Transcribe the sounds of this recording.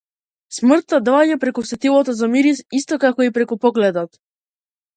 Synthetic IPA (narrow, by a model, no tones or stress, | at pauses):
smr̩t̪ːad̪ɔaɲapɾɛkusɛt̪ilˠɔt̪ɔzamiɾisist̪ɔkakɔipɾɛkupɔɡlɛd̪ɔt̪